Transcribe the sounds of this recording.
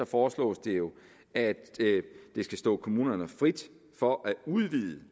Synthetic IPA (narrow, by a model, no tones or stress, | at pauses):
ɒfɒːslɔ̰ːsd̥e̝jo̝ | æd̥d̥e̝sɡ̥æsd̥ɔ̰ːkʰo̝muːnɐnəfʁid̥ | fɒ̽ʔæuðˠʋiðˠə